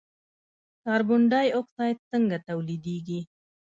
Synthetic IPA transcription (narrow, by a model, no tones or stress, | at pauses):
kɑɾbʊɳɖɑjoksɑjt̪səŋɡat̪awlid̪iɡi